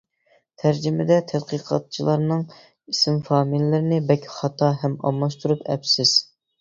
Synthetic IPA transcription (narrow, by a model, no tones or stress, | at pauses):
t̪ʰæɾd͡ʒimɪd̪ɛt̪ʰɛd̪qəqʰɑ̰t̪̚t͡ʃʰilˠɑɾnɨŋ | isɪmfɑːmillːɪɾɪnɪbɛkʲʰχɑt̪ʰɑɦɛmɑ̰mlˠɑʃt̪uɾupʰɛ̰psɪz̥